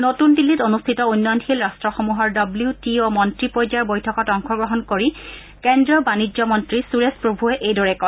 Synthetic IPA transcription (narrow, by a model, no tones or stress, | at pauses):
notunbilːitonustʰitɔunːɔjnxilɹastɹɔxomuɦɔɹdɔbliutiomɔntɹipojd͡ʒaɹbojtʰɔkɔtɔŋxɔɡɹɔɦɔnkoɹi | kɛndɹɔbanid͡ʑɔmɔntɹisuɹespɹobʱuɛʔejdɔɹɛkɔn